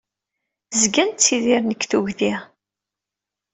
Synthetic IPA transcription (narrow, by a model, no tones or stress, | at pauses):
zɡænt͡sːiðiɾnəkːθuʝði